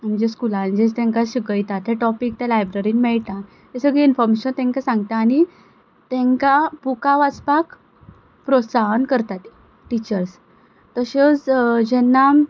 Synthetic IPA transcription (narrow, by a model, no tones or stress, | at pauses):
məd͡ʑeskulãnd͡ʑet͡st̪ɛ̃ŋkaɕiɡəjt̪at̪ʰeʈɔpik̚t̪alajbɾeɾinmɛɭt̪a | t̪esəɡɭeinfɔɾmeɕənt̪ɛ̃ŋkasãŋɡt̪aːɽ̃i | t̪ɛ̃ŋkabukaʋat͡spak | pɾosaɦənkəɾt̪at̪i | ʈit͡ɕəɾs | t̪əɕet͡sd͡ʑɛnːa